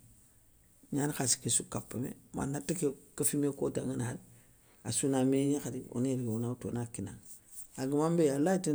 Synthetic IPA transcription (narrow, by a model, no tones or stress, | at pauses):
ɲanxasi̥kesukapːamḛma̰nːatːikekafimekodaŋinad | asunameɲexadio̰neɾɡewunauto̰nakina | aɡimambejalaiti